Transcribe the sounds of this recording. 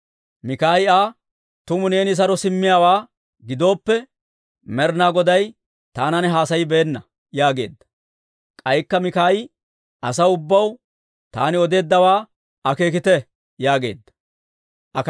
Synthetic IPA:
mɪkaːjaː | t̪ʊmʊne̞ːnɪs̬ɐɾɔsɪmːɪjaːwaː | ɡɪd̪o̞ːpːɛ | mɛɾnaːɡɔd̪ɐj | t̪aːnɐnɛɦaːsɐjɪbɛːnːɐ | jaːɡe̞̰ːd̪ːɐ̥ | kʼɐjkːɐmɪkaːjɪ | ʔɐsɐwʊbːɐw | t̪aːnɪɔd̪e̞ːd̪ːɐwaː | ɐke̞ːk̬ɪt̪ɛ | jaːɡe̞̰ːd̪ːɐ̥ | ʔɐk

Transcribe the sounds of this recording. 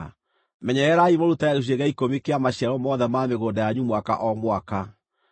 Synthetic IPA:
mɛɲɛɛɾaimɔɾutaaɣeʃ̬eɣaikomikeamaɕiaɾɔmɔðɛmameɣoːdajaɲumwaka̰ʔɔmwaka

